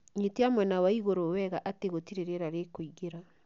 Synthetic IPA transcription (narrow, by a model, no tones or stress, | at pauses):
ɲetiamwɛnawaiɣoɾowɛɣaʔateɣotiɾeɾeɾaɾekoiɣeɾa